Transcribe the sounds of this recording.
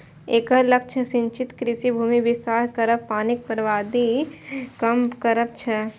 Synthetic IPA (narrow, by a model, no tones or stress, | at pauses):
eːkəlɐk̚t͡ʃʰəsɪ̃ɲt͡ʃɪt̪kɾɪsibʱuːmibɪst̪aːɾkɐɾəppaːnɪk̚pəɾʋaːd̪ikɐmkɐɾəp̚t͡ʃʰɐ